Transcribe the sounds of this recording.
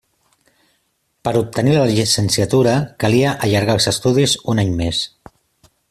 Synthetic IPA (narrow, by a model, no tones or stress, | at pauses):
pəɾup̚t̪ənilələʒisənsiət̪uɾəkəliəʔəʎəɾɣalˠzəst̪uðizunaɲmes